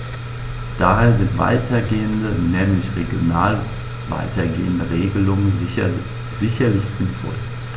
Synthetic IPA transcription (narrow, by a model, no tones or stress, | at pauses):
d̥aːɦeːɐzɪntv̥a̰ɪtʰɐɡeːəndənɛːmlɪçʁeɡjonaːl | va̰ɪtʰɐɡḛːəndəʁeːɡəlʊŋən | z̥ɪçɐlɪçz̥ɪnfɔ̰l